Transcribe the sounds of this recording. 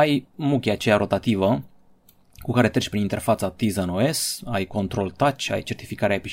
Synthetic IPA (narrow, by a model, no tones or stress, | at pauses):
ajmukʲeat͡ʃejaɾʔo̞t̪at̪ivə | kukaɾe̞t̪ɾet͡ʃʲpɾinint̪e̞rfat̪sat̪izəɨnoe̞sajko̞nt̪ɾo̞lt̪at͡ʃʲa̰jt͡ʃe̞rt̪ifikaɾeaepi